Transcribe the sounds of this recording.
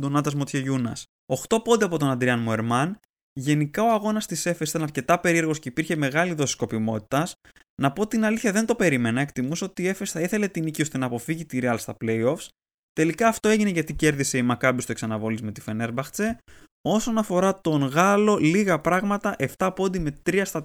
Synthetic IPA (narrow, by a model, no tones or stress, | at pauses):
d̪onɐt̪ɐzmot̪çeʝunɐ̰s | oxt̪o̞po̞nd̪eɐpo̞t̪o̞nɐnd̪ɾiɐnmoe̞ɾmɐn | ʝe̞nikɐoɐɣo̞nɐst̪ise̞fesit̪ɐnɐɾce̞t̪ɐpe̞ɾie̞ɾɣo̞sce̞ipiɾçe̞me̞ɣɐliðo̞si̥sko̞pimo̞t̪i̥t̪ɐs | nɐpo̞t̪inɐliθçɐðe̞nd̪o̞pe̞ɾime̞nɐekt̪imuseot̪ie̞fesθɐiθele̞t̪inicio̞st̪e̞nɐːpo̞fiʝit̪iɾiɐlst̪ɐple̞jo̞fs | t̪e̞likɐːft̪o̞e̞ʝine̞ʝɐt̪ice̞ɾðise̞imɐkɐbist̪oksɐnɐvo̞lizme̞t̪ife̞ne̞ɾbɐxt͡se̞ | o̞so̞nɐfo̞ɾɐt̪o̞ŋɣɐlo̞liɣɐpɾɐɣmɐt̪ɐʔe̞ft̪ɐpo̞nd̪ime̞t̪ɾiɐst̪ɐ